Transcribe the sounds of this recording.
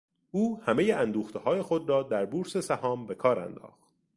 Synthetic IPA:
ʔuːhæme̞jeænd̪uːxt̪ʰehɒːje̞xo̞d̪ɾɒːd̪æɾbuːɾse̞sæhɒːmbe̞kʰɒːɾæ̰nd̪ɒ̰ːχt̪̚

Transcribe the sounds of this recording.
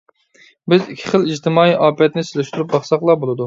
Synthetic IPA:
bɪzikʲʰːɪ̥χəlˠid͡ʒt̪ʰɪmɑːiʔɑːpʰɛt̪nɪselyʃt̪uɾup̚bɑχsɑqlˠɑbolˠɨd̪u

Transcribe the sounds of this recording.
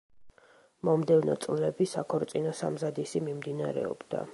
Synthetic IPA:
mɔmd̪ɛvnɔ̰t̪sʼvlɛbisakʰɔɾt̪sʼinɔsa̰mzad̪isimimd̪inaɾɛ̰ɔ̰b̥d̪a̰

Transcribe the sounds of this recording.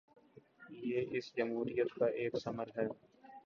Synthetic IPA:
jeːʔɪsd͡ʒəmɦuːɾijət̪kaʔeːksɐməɾɦɛː

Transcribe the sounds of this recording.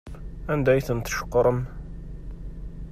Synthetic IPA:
ænd̪æjθənt̪ʃə̥qːɾˤəm

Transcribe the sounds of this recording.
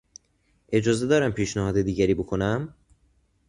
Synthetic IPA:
ʔe̞d͡ʒɒːze̞d̪ɒːɾæmpʰiːʃnæhɒːd̪ed̪iːɟæɾiːbokʰonæm

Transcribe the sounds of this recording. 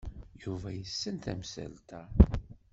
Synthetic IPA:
juvæjəsːənt̪æ̰msæ̰lt̪æ

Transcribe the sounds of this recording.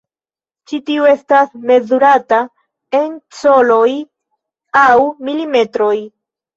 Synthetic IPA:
t͡ʃitiue̞stasme̞zuɾata | e̞nso̞lo̞j | awmilime̞tɾo̞j

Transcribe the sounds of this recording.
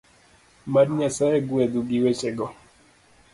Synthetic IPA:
madɲasajɛɡwɛd̪uɡiwet͡ʃɛɡɔ

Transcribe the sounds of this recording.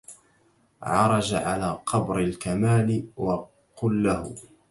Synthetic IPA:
ʕɑɾˤɑd͡ʒaʕalaːqʰɑbɾɪlkamaːlɪwɑ | qʊlːahʊ̰

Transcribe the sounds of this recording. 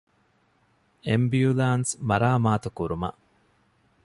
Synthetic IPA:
embjulaːnsmɐɾaːmaːt̪ukuɾumɐ̰ʔ

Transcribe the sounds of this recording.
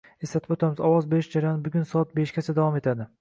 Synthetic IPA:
e̞slat̪ʰɪbot̪ʰamɪzɒwɒzbeɪʃd͡ʒaɾajɒnɪbʊɡʲʊnsɒat̪̚beʃɡʲat͡ʃʰad̪avɒme̞t̪ʰad̪ɪ

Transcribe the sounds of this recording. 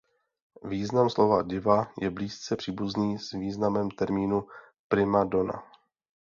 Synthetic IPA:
viːznamslo̞vaɟɪvajɛbliːst͡sɛpr̝̥iːbuzniːzviːznamɛmt̪ɛɾmiːnu | pɾɪmadona̰

